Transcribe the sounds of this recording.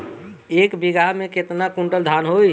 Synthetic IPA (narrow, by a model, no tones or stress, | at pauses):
ekbiɡaɦmẽket̪nakũɳʈəld̪ʱanɦoj